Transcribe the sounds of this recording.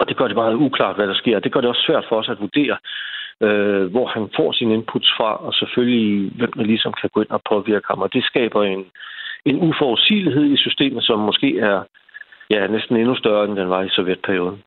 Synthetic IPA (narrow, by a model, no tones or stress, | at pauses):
ɒ̽d̥e̝ɡ̥ɶɐd̥e̝mɑ̈ːð̩ˠukʰlɑ̰̈d̥ʋæɾ̥ɑ̈sɡ̥e̝ɐ̰ɒd̥e̝ɡ̥ɶɐɾ̥e̝ɒ̽sːʋæɐ̰d̥fɒ̽ɒ̽sæd̥ʋud̥e̝̰ːɐ | øʋɒhænfɒ̰sine̝npʰud̥sfʁɑ̈ʔɒ̽sefølliʋem̰d̥elisɒ̽mkʰæɡ̥o̰e̝n̰ɒpʰɒ̽ʋiɐɡ̥əhɑ̈mɒ̽d̥e̝sɡ̥ɛ̰ːb̥ɐene̝nufɒʊðdsḭːliɦe̝ð̰ˠisysd̥e̝̰ːmð̩ˠsɒ̽mːɔ̽sɡ̥e̝̰ːæɐ | jænesd̥n̩e̝nusd̥ɶɐend̥enʋɑ̈isɒ̽jed̥̚pʰæɐijo̝ːðˠn̩